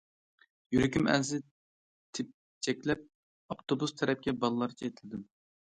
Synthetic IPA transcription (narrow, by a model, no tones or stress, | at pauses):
jyɾɪkʲymæ̰zɪ | t̪ʰɪp̚ | t͡ʃʰɛkʲlɛp̚ | ɑpt̪ʰobust̪ʰɛɾɛp̚kʲɛbɑlˠɨlˠɑɾt͡ʃʰɛet̪ʰɪlɪd̪ɪm